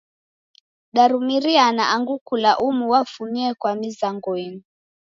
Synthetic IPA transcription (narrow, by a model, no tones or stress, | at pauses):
ɗaɾumiɾianaʔaŋɡukulaʔumuwafuɲiɛkwamizaŋɡɔinu